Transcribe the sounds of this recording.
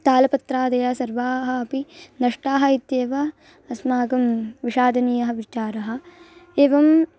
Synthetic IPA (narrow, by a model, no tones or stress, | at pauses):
t̪aːlɐpɐt̪ɾaːd̪ɐjɐsɐɾʋaːɦɐ̆ːpinɐʂʈaːɦɐit̪jeːʋɐ | ɐsmaːɡɐmʋiʃaːd̪ɐniːjɐɦɐ̆ʋit͡ʃaːɾɐɦɐ̆eːʋɐm